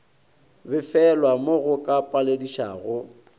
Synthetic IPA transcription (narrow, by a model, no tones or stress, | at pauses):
bɪfɛlwamoɣʊkʼapʼalediʃa̰ːɣʊ